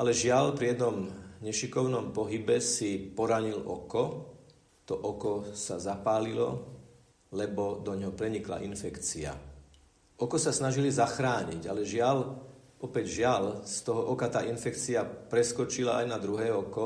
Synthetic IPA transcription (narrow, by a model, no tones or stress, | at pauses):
alɛʒɪalpɾijɛd̪nɔmɲɛʃikɔʊnɔmpɔɦibɛsipɔɾaɲilɔ̰kɔ | t̪ɔʔɔkɔsazapaːlilɔ̰ | lɛbɔd̪ɔɲɦɔpɾɛɲikla̰ʔinfɛkt͡sia̰ | ʔɔkɔsasnaʒilizaxɾaːɲiɟalɛʒɪal | ɔpɛɟʒɪalst̪ɔɦɔʔɔkat̪aːʔinfɛkt͡siapɾɛskɔt͡ʃila̰ajnad̪ɾuɦɛːɔkɔ